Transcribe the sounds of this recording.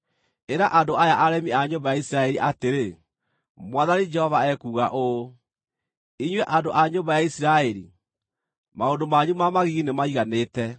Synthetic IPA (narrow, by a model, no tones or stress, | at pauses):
eɾaʔadoʔajaʔaɾɛmiaɲobajaisiɾaɛɾiʔateɾe | mwaðanid͡ʒɛhɔvaɛkuːɣaʔo | iɲwɛʔandoʔaɲoːmbajaisiɾaɛɾḭ | maondomaɲumamaɣiɣinemaiɣaneːtɛ